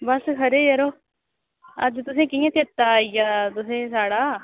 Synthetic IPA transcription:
bəskʰəɾeːjəɾoː | ə̰d͡ʒt̪ʊsẽːkijãːt̪ɪt̪ːaːijaːt̪ʊsẽːsaːɽaː

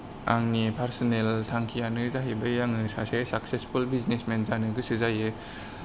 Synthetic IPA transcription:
a̰ŋnipʰaɾsɔneltʰaŋkʰijanɯzaɦibɐjaŋnɯsasesak̚sespʰulbiznesmenzanɯɡɯsɯzaje

